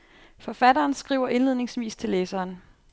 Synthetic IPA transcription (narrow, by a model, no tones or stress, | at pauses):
fɒ̽fædɐːnsɡ̥ʁḭʊ̰ɐʔe̝nle̝ð̞̰ˠne̝ŋsʋḭːst͡sʰe̝leːsɐːn